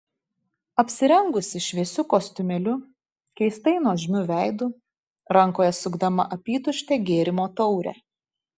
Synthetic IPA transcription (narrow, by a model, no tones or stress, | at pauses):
ɐpʲsʲɪɾʲɛŋɡʊsʲɪʃʲʋʲiɛsʲʊkoːst̪ʲʊmʲɛlʲʊ | kʲɛɪst̪ɐɪnoːʒʲmʲʊʋʲæˑɪd̪uː | ɾɐŋˑkoːjɛsʊɡd̪ɐmɐ̰ʔɐpʲiːt̪ʊʃʲt̪ʲeːɡʲeːɾʲɪmoːt̪ɒʊɾʲɛ̰ː